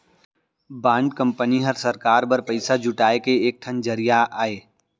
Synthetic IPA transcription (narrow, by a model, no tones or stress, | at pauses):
bãːɳɖkɐ̃mpəniɦɐɾsɐɾkaːɾbɐɾpɐɪsad͡ʒʱʊʈaːekeeːk̚ʈ̪ʰɐnd͡ʒɐɾijaʔaːeː